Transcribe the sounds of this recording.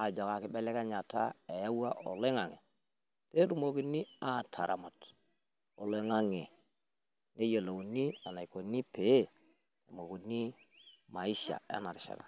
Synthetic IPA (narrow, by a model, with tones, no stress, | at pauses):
a˨d͡ʒɔ˨ka˨kɪ˦bɛ˦lɛ˦ka˦ɲa˨ta̰˦e˨ja˦wa˦ʔo˨le˦ŋa˨ŋḛ˨ | pe˦ɾu˦˨mo˨ki˦nːi˦a˨tʰa̰˨ɾʔa̰˨ma˨t | o˨le˦ŋa˦ŋe˨ | ne˦jo˨lo˨wu˨ni˦a˨na˨i˨ko˨˦ni˦pe˦ | tu˨mo˨ku˨ni˦ | ma˨i˦ʃa̰˨a̰˦na˨ɾʃa̰˨na̰˨